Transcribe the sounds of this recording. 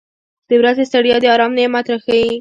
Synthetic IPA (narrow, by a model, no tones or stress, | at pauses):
d̪̥əwɾazest̪aɽjɑd̪əɑɾɑmnemat̪ɾaxawi